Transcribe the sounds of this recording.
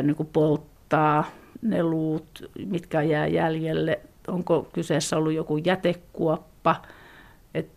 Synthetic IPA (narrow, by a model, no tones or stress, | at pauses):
nːikupolt̪ːɑːneluːt̪mit̪kæjæˑːjæljelːeoŋkokyseːˑsːæolːujjokujæt̪ekkuɔpːɑ | et̪ː